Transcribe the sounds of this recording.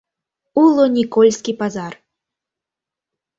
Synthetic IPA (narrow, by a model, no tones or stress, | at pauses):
ulˠɔnʲikɔlʲsʲkʲipazar